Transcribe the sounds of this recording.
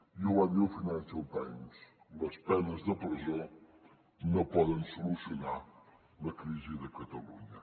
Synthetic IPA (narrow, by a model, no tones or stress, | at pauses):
iewɐðɐwfinɐ̃nʃɐlˠt̪ɛ̰̃ɲuʃ | ɐʃpɛnɐʒðɐpɾizɐ̃w̃ | nɐ̃w̃pɔðẽj̃sulˠusjunaɾ | nɐkɾizɨðɐkɐt̪ɐlˠuɲɐ